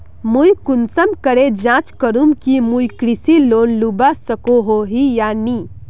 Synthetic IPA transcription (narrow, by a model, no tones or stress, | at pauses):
mujkunsəmkəɾed͡ʒãt͡ʃkəɾumkimujkɾisiloːnlubasəkoɦoɦijani